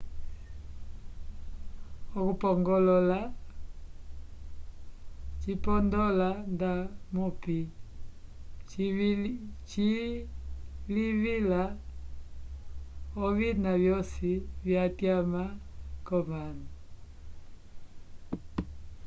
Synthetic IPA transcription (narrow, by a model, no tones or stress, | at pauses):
ɔkupɔŋɡɔlɔla | t͡ʃipɔndɔlandamupi | t͡ʃi | livila | ɔvinavjɔsivjatjamakɔmana